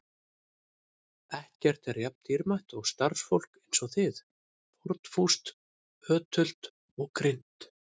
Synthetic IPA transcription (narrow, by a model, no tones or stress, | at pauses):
ɛhcɛr̥t̪ɛɾjap̚nt̪ʰiɾmajht̪ɔɣst̪aɾ̥sfowl̥kejnsɔθɪð | pɔɾt̪n̥fust̪ | œːt̪ʰʏl̥t̪ | ɔɣkɾɪn̥t̪